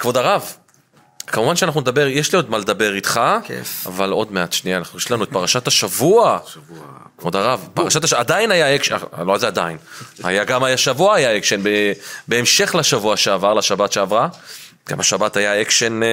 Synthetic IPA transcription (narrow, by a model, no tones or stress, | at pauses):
kvo̞d̪aʁav | kamuvanʃeanaχnuned̪abe̞ʁjɛʃlio̞d̪maled̪abe̞ʁit̪χaa̰valo̞dmeatʃniaːnaχnuʃlanuet̚paʁaʃataʃavua | kvodaʁavpaʁaʃat̪aadainajaekʃa̰loazead̪a̰inha̰jaɡamajaʃavuaajaekʃenbebe̞emʃe̞χlaʃavuaʃeavaʁlaʃabatʃeavʁa | ɡ̥a̰maʃabatajaekʃen